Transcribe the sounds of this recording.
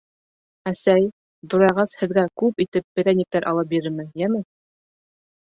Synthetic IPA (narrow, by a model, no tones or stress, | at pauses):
æsæj | d̪ŏɾɑjʁɑshɘ̆ðɡækʉpit̪ɘp̚ːɘ̆ɾænʲik̚t̪æɾʔɑ̰lˠɤp̚biɾɘɾmɘjæmɘ